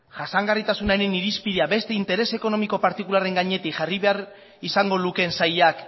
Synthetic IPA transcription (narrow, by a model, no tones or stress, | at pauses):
ʝasaŋɡarit̪asunaeɾeniɾispiðeaβe̞st̪e̞int̪e̞ɾe̞se̞ko̞no̞miko̞paɾt̪ikulare̞ŋɡaɲe̞t̪ikʝariβe̞aɾ | isaŋɡo̞luke̞nsajak